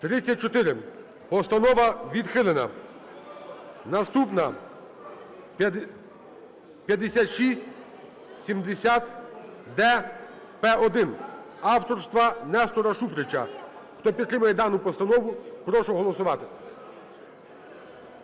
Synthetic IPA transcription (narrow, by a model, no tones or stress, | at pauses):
t̪ɾɪt͡sʲːɐt̚ʲt͡ʃɔt̪ɪɾɪ | pɔst̪ɐnɔʋɐʋʲid̪xɪlˠenɐ̰ | nɐst̪upnɐ | pʲjɐd̪esʲat̪ʃisʲtʲ | sʲimd̪esʲat̪d̪ɛ | pɛɔd̪ɪn | ɑwt̪ɔɾst̪ʋɐnɛst̪ɔɾɐʃufɾɪt͡ʃɐ̰ | xt̪ɔpʲid̪t̪ɾɪmɐjɛd̪ɑnʊpɔst̪ɐnɔʋʊpɾɔʃʊɦɔlˠɔsʊʋɑt̪ɪ̥